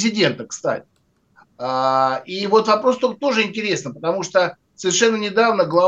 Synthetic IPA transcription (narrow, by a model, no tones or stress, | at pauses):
zʲɪdʲe̞nt̪əkst̪a̰tʲɪ | aivot̪vɐpɾo̞st̪ot̪o̞ʐɨɪnʲtʲɪɾʲe̞snɨpət̪ɐmuʂt̪ə | səɪrʂɛnːənʲɪd̪avnəɡlˠɐ